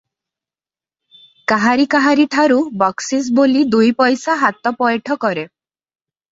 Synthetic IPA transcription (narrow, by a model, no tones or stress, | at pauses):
kaɦaɾikaɦaɾiʈʰaɾubɔksis̬bolid̪ujpɔjsaɦat̪ɔpɔjʈʰɔkɔɾe